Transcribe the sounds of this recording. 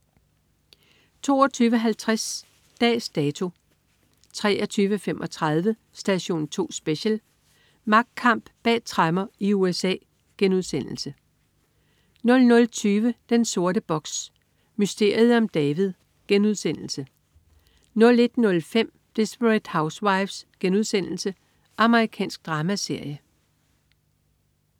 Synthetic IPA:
t͡sʰo̝̰ːɒt͡sʰyːʋəɦælt͡sʰʁas | d̥ɛ̰ːsd̥ɛːt͡sʰo̝ | t͡sʰʁɛ̰ːɐt͡sʰyːʋəfemʔɒ̽t͡sʰʁɑð̞ˠʋə | sd̥æɕo̝̰ːnt͡sʰo̝̰ːsb̥e̝ɕəl | mɑ̈ɡ̥̚d̥̚kʰɑ̈m̰b̥b̥ɛ̰̥ːt͡sʰʁɑmɐiuesɛ̰ː | ɡ̥enuðˠsen̰l̩sə | nɔ̽lnɔ̽lt͡sʰyːʋəd̥enso̝ɐɾəb̥ɒ̽ɡ̥s | mysd̥e̝̰ːɐ̰ið̩ˠɒ̽md̥ɛːʋið̩ˠ | ɡ̥enuðˠsen̰l̩sə | nɔ̽le̝d̥nɔ̽lfem̰ | d̥e̝sb̥ʁid̥häʊswɑ̈ɪʋsɡ̥enuð̞ˠsen̰l̩sə | ʔɑ̈məʁikʰɛ̰ːnsɡ̥̚d̥ʁɑ̈ːmæse̝ɐ̰jə

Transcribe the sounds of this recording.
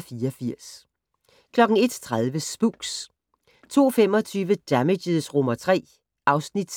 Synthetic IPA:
fiːɒfiɐ̰s | kʰlɒ̽ɡ̥n̩e̝d̥t͡sʰʁaðˠʋəsb̥uɡ̥s | t͡sʰo̝̰ːfem̰ɒ̽t͡sʰyːʋəd̥æmedəðˠsʁɔmɐt͡sʰʁɛ̰ː | ʔɑ̈ʊsnid̥

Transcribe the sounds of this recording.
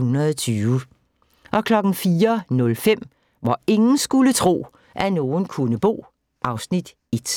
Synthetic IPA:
unɐðˠɒt͡sʰyːʊ | ʔɒ̽kʰlɒ̽ɡ̥n̩fiːɐnɔ̽lfem̰ | ʋɒe̝ŋn̩sɡ̥ulət͡sʰʁo̝̰ː | ʔæno̝ːn̩kʰunəb̥o̝̰ː | ʔɑ̈ʊsnid̥ | e̝d̥

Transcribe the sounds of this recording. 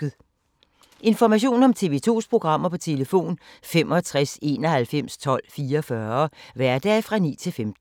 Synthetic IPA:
ð̩ˠ | ʔe̝nfɒmæɕ̬o̝̰ːnɒ̽mt͡sʰe̝ːʋe̝ːt͡sʰo̝̰ːspʰʁo̝ɡ̥ʁɑ̈m̰ɐpʰɒ̽t͡sʰe̝ləfo̝̰ːnfem̰ʔɒ̽t͡sʰʁase̝̰ːnɒhælfem̰st͡sʰɒ̽l̰fiːɐfɶɐʋæɐd̥ɛfʁɑ̈nḭːt͡sʰe̝lfemd̥

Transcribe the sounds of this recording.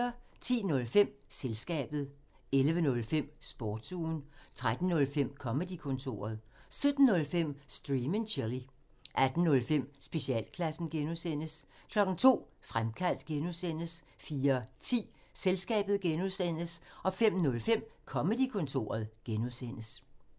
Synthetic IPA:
ɐt͡sʰḭːnɔ̽lfem̰selsɡ̥ɛ̰ːb̥ð̞̩ˠ | elʋənɔ̽lfem̰sb̥ɒ̰ːd̥suːnt͡sʰʁad̥n̩nɔ̽lfem̰kʰɒ̽məd̥ikʰɔ̽nt͡sʰo̝̰ːɐð̞̩ˠ | sød̥n̩ːɔ̽lfem̰sd̥ʁiːməŋɕʰeli | ʔæd̥n̩nɔ̽lfem̰sb̥e̝ɕiɛ̰ːlkʰlæsn̩ɡ̥enusen̰əskʰlɒ̽ɡ̥n̩t͡sʰo̝̰ːfʁamkʰæl̰d̥̚ɡ̥enuðˠsen̰əs | fiːɐt͡sʰḭː | selsɡ̥ɛ̰ːb̥ð̞̩ˠɡ̥enuðˠsen̰əsɒ̽fem̰nɔ̽lfem̰kʰɒ̽məd̥ikʰɔ̽nt͡sʰo̝̰ːɐð̞̩ˠɡ̥enuðˠsen̰əs

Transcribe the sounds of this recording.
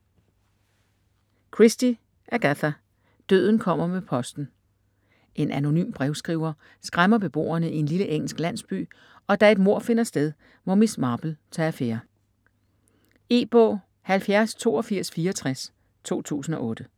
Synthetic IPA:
kʰʁisd̥i | ʔæɐɡ̥æθæ | d̥ø̰ð̰ˠn̩kʰɒ̽m̰ɐmepʰɒ̽sd̥n̩ | ʔe̝nʔæno̝ny̰ːmb̥ʁɛʊsɡ̥ʁiʊɐ | sɡ̥ʁamɐb̥e̝b̥o̝̰ːɐnəie̝nliləʔeŋ̰l̩sɡ̥læn̰sb̥y̰ː | ɒ̽d̥æe̝d̥mo̝ɐ̰fe̝nɐsd̥eð̞ˠ | ʋɒmismɑ̈ːb̥l̩t͡sʰɑfeɐ | e̝̰ːb̥ɔ̰ː | hælfjæɐst͡sʰo̝̰ːɒfiɐ̰sfiːɐɒt͡sʰʁas | t͡sʰo̝̰ːt͡sʰṵːsn̩ɒ̽ʔɔ̽ːd̥ə

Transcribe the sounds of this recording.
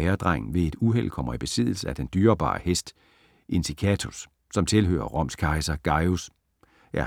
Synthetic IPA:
ɛːɐd̥ʁɑŋ̰n̩ʋe̝e̝d̥uɦel̰kʰɒ̽m̰ɐib̥e̝sið̞̰ˠl̩səæd̥end̥yːɐb̥ɑ̰̈ːhesd̥ | ʔe̝nsikʰæt͡sʰusː | ɒ̽mt͡sʰe̝lɦø̰ːɐʁɒ̽m̰skʰɑ̈ɪsɐɡ̥ɑ̈ɪus | ʔæɐ

